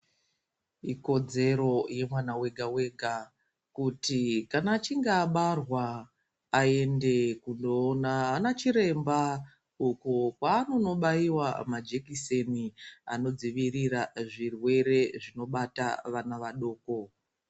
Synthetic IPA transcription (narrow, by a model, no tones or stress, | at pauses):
iko̞d͡ze̞ɾo̞je̞mwanawe̞ɡʱawe̞ɡʱa | kutikanaːt͡ʃiŋɡaːɓarwaː | e̞nde̞kundoːnaːnat͡ʃiɾe̞mba | ukokwaːno̞no̞ɓaiwamad͡ʒe̞kisenia̰no̞d͡ziʋiriraʐirwe̞ɾe̞ʐino̞ɓata̰ʋanaʋaɗo̞ːko̞